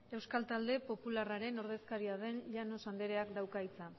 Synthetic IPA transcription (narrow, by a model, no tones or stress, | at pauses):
e̞wskalt̪ald̪e̞po̞pularaɾe̞no̞ɾð̞e̞skaɾiað̞e̞nʎano̞sand̪e̞ɾe̞akd̪awkajt͡sa